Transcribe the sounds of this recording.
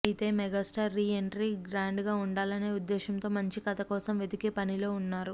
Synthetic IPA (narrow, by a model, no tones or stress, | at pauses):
it̪e̞ːmɛɡaːsʈaːɾːiːeɳʈɾiɡɾaːɳɖɡaːuɳɖaːlɐne̞ːud̪ːɛːʃɐmt̪o̞ːmɐɲt͡ʃikɐt̪ɐkɔːsɐmʋed̪ikepɐnilo̞ːunːaːɾu